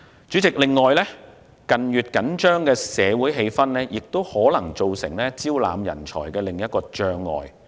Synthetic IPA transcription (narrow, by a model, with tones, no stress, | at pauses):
t͡ʃyː˨˥t͡sɪ˨k̚lɪ˨ŋːɔː˨jlɛː˥ | kɐ˨nɥyː˨t̚kɐ˨˥nt͡ʃœː˥ŋkɛː˧sɛː˨˧wuː˨˥jɦe˧jfɐ˥nlɛː˥jɪ˨k̚t̪o˥whɔː˨˥lɐ˨˩ŋt͡ʃo˨wsɪ̰˨˩ŋlɛː˥t͡siː˥wla̰ː˨˧mjɐ̰˨˩nt͡ʃʰɔ̰ː˨˩jkɛː˧lɪ˨ŋjɐ˥t̚kɔː˧t͡ʃœː˧ŋːɔ̰ː˨j